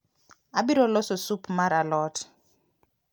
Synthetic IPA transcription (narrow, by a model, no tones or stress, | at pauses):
abiɾɔlɔsɔsupmaɾalɔːtɔ̥